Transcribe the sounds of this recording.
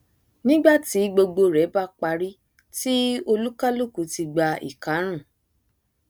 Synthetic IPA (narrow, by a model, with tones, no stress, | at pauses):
nĩ˦ɡ͡ba˦˨ti˨˦ɡ͡bo˧ɡ͡bo˧ɾɛ˨˦ba˦k͡pa˧ɾi˦ | ti˦o˧lu˦ka˦lu˦˨ku˨˦ti˧ɡ͡ba˧ḭ˨ka˨˦ɾ̃ũ˦˨